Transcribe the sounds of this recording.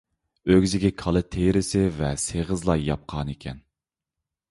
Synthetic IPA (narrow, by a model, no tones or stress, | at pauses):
øɡʲzɪɡʲɛkʰɑlˠɨt̪ʰejɾɪsɪvɛseʁəzlˠɑjɑp̚qʰɑːnikʲʰɛ̰n